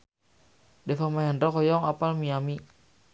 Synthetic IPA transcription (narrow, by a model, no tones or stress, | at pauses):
defamajandɾɔkɔjɔŋapalmiami